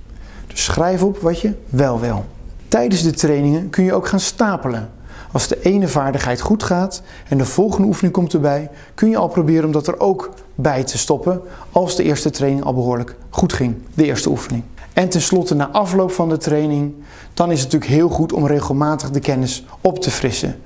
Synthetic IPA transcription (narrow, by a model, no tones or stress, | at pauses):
d̥ɵ̥sχrɛjvəɔpʋɑtjəʋɛlˠʋɪ̰lˠtɛjdənzdətrejnɪŋənkɵnjəowkχaːnstaːpələn | ɑlˠzdəʔejnəvaːɹdəχɦɛjtχutχaːt | ɛndəv̥ɔlˠχəndəufənɪŋkɔmtəɹbɛj | kɵnjəɑlˠprobɪːɾənɔmdɑtɛɹʔowk | bɛjtʰəstɔpən | ɑlˠzdəʔɪːɹstətrejnɪŋɑ̰lˠbəɦʊːɹlək | χutχɪŋdəɪːɹstəufənɪŋ | ɛntɛnslɔtənaːʔɑflowpfɑndətrejnɪŋ | d̥ɑnɪs̬ntyːləkɦɪːlˠχutɔ̰mrejχəlˠmaːtəχdəkɛnɪs | ɔptəfrɪsə̰